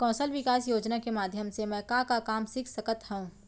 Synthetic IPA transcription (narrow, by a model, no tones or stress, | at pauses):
kɔ̃ːsəlʋɪkaːsjoːd͡ʒnakemaːd̪ʱjəmsemɛ̃kãːkakaːmsɪkʰsɐkət̪ɦɛũː